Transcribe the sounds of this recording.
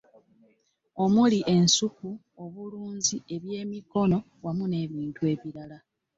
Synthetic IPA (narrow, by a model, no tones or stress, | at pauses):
o̞muliʔe̞nsuku | o̞βuluːnzie̞βje̞ːmiko̞no̞ | wamune̞ːβiːntue̞ːβiɾala